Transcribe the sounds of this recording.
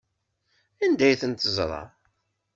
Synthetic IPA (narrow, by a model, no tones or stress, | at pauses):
ænd̪æjθənt̪əzˤɾˤɑ̰